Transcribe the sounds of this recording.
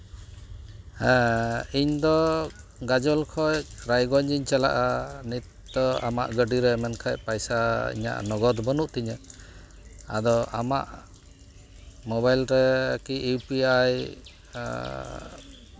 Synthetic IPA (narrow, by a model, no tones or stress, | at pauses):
hɛ̃iɲd̪ɔ | ɡad͡ʒɔlkʰɔjɾajɡɔɲd͡ʒiɲt͡ʃala̰ʔanit̪ | d̪ɔama̰ʔɡəɖiɾɛmɛnkʰajpajsaḭɲa̰ʔnɔɡɔd̪bənuʔt̪iɲə | a̰d̪ɔama̰ʔ | mɔbajlɾɛkiːwpiaj